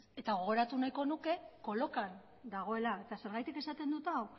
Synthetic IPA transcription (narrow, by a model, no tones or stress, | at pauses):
e̞t̪aɣ̞o̞ɣ̞o̞ɾat̪unajko̞nuke̞ko̞lo̞kan | d̪aɣ̞o̞e̞laet̪ase̞ɾɣajt̪ike̞sat̪e̞nd̪ut̪aw